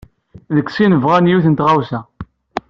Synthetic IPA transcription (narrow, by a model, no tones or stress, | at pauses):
ðəkːsinəvʁanjuθənt̪ʁawsæ